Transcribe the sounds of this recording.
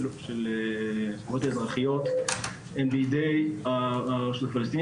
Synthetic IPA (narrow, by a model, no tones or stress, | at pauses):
lʃel | umot̪aezʁaχijot̪ | embiid̪ejaʃudafalest̪in